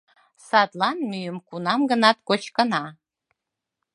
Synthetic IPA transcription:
sɑd̪lˠɑnmyjəmkunɑmɡə̆nɑt̪̚kot͡ɕkə̆nɑ

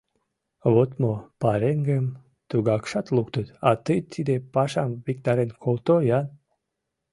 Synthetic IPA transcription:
vɔt̪mopaɾeŋɡem | t̪uɡakʃat̪lˠukt̪ɨt̪at̪ɨt͡s̪id̪epaʃamvik̚t̪aɾenkʰolˠt̪ojan

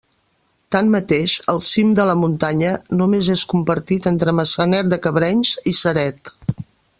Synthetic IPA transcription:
t̪anmət̪eʃəlˠsimd̪ələmunt̪aɲənumezeskumpəɾt̪it̪ent̪ɾəməsənɛt̪̚d̪əkəβɾɛɲzisəɾɛt̪

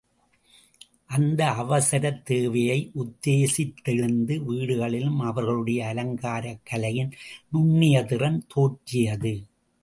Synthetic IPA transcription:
ʔɐnd̪ɐɐʋɐsɐɾɐt̪ːeːʋɐjɐɪʔʊd̪ːeːsɪt̪ːɪɻɯnd̪ɯʋiːɽɯɣɐɭɪlɯmɐʋɐɾɣɐɭɯɽɐjɐːlɐŋɡaːɾɐkːɐlɐjɪnnʊɳːɪjɐtɪrɐnt̪oːʈːɪjɐðɯ

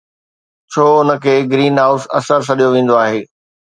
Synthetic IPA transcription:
t͡ɕʰoːʊnə̆kʰeːɡɾiːnɦaːʊsɐ̰səɾsʰɐɗijoʋẽːn̆d̪oaːɦeː

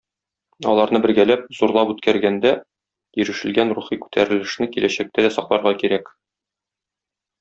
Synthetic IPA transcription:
ɒ̰lˠɑɾnɤbɘ̆ɾɡælæp̚zuɾlˠɑpʉt̪kæɾɡænd̪æ | jɘ̆ɾɘ̆ʃɘ̆lɡænɾuχikʉ̥t̪ʰæɾɘ̆lɘ̆ʃnɘkilæɕæk̚t̪æd̪æsɒqlˠɑɾʁɑkiɾæk

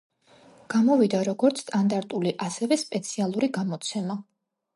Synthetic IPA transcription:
ɡ̥amɔvid̪aɾɔɡɔɾt̪sʰːt̪ʼand̪aɾt̪ʼuliʔasɛvɛspʼɛt̪sʰialˠuɾiɡamɔt̪sʰɛma

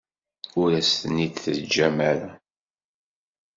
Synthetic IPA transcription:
ʊɾæst̪ənid̪θəd͡ʒæmæɾæ

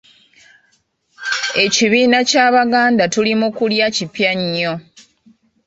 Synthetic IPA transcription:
e̞ciβiːnacaːβaɡaːndatulimukuljacipjaɲːo̞

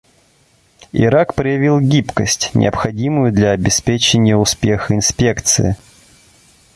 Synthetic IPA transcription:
ɪ̰ɾakpɾəjɪvʲilˠɡʲipkəsʲtʲnʲɪ̰əpxɐdʲimʊjʊd̪lʲɐɐbʲɪspʲet͡ɕɪnʲɪjəʊspʲe̞xəɪnspʲekt̪sɨ̰ɪ

